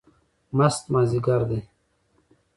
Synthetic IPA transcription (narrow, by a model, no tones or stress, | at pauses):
mɐst̪maːziɡaɾd̪e